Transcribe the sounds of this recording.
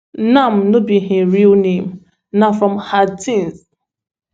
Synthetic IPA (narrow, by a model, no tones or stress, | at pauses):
nam̩nobiɦiɾilnẽm̩ | nafɹɔmhatĩns